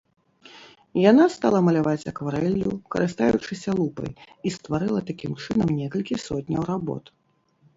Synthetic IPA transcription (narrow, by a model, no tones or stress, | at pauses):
janast̪alˠɐmɐlʲavat͡sʲɐkvaɾɛlʲːṵkɐ̰ɾʔɨst̪ajut͡ʂɨsʲɐlˠupɐ̰j | ist̪vaɾɨlˠɐt̪akʲimt͡ʂɨnɐmnʲɛkɐlʲkʲisɔt̪ʲnʲɐ̰wɾabɔ̰t̪